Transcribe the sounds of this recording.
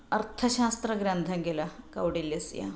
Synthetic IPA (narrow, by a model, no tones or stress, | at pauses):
ɐɾt̪ʰɐɕaːst̪ɾɐɡɾɐnt̪ʰɐɡelɐkɐwɖiljɐsja̰